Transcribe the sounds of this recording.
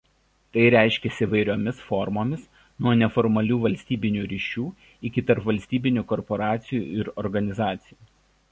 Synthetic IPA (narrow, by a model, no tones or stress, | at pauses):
t̪ɐɪɾʲæˑɪʃʲkʲɛsʲɪiʋɐɪɾʲoːmʲɪsfɔɾmoːmʲɪs | nuɔnʲɛfɔɾmɐlʲuːʋɐlʲsʲt̪ʲiːbʲɪnʲuːɾʲiːʃʲuː | ɪkʲɪt̪ɐɾpʋɐlʲsʲt̪ʲiːbʲɪnʲuːkɔɾpɔɾɑːt̪sʲɪjṵːɪɾɔɾɡɐnʲɪzɑːt̪sʲɪjuː